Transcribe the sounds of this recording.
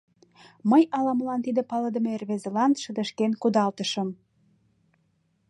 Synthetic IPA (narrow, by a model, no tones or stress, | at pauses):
məjɑlɑməlɑnt̪id̪əpɑləd̪ə̆meerβezelɑnʃə̆d̪ə̆ʃkenkud̪ɑlt̪əʃəm